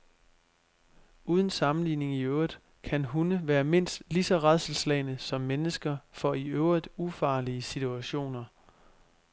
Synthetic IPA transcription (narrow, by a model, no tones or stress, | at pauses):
uːð̞ˠən̩sɑ̈mn̩lḭːne̝ŋiøʊʁið̥ˠ | kʰænɦunəʋæːɐme̝n̰sd̥lisɒ̽ʁað̰ˠsl̩slɛɪnəsɒ̽mːenəsɡ̥ɐfɒ̽iøʊʁiðˠufɑ̈ːliəsit͡sʰuæɕo̝̰ːnɐ